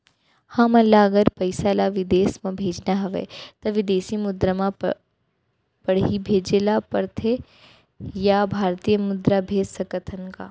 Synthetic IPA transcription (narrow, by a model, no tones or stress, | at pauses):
hɐmɐlːaɐɡəɾpɐɪsalaʋɪd̪eːsmãbʱeːd͡ʒnaɦɐʋḛt̪ɐʋɪd̪eːsimʊd̪ɾamã | pɐɽ̤ibʱeːd͡ʒelapɐɾt̪ʰe | jabʱaːɾt̪ijəmʊd̪ɾabʱeːd͡ʒsɐkət̪ʰənka̰ː